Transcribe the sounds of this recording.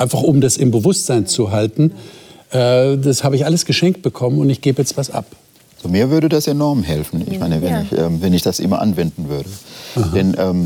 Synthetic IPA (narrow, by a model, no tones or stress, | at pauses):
ʔaɪnfaχʔʊmdasɪmbəvʊstz̥aɪnt͡suɦaltn̩ʔɛːdashaːbəɪçʔaləsɡ̥əʃɛŋk̚t̚b̥əkʰɔmənʊntɪçɡ̥eːbəjɛt͡stvasʔa̰p | z̥omiːɐvʏɐɾədasenɔɐmɦɛlfn̩ɪ̰çmaɪnəvɛnɪçʔɛːmvɛnɪçd̥asʔɪ̰mɐʔa̰nvɛndn̩vʏɐɾəahadɛnʔɛːm